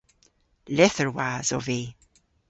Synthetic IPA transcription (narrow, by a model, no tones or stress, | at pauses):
lɛθəɹwazɔveː